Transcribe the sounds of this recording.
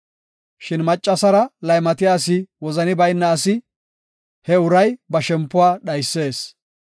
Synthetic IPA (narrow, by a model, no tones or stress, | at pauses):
ʃɪnmɐt͡ʃʼːɐsɐɾɐlɐjmɐt̪ɪjaːs̬ɪwɔzɐnɪbɐjnːɐːsɪ | hɛʊɾɐjbɐʃɛmpːʊwaːɗɐjsːe̞ːs